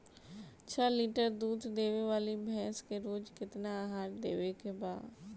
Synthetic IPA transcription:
t͡ɕʰɐliːʈəɾd̪uːd̪ʱd̪eːʋeʋaːlibʱɛ̃ːskʰeɾoːd͡ʒkɪt̪ɪnaɦaːʈd̪ḛːʋekʰebaː

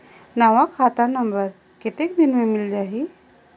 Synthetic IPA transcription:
naʋakʰat̪anəmbəɾ | kit̪ek̚d̪inmemild͡ʒaɦi

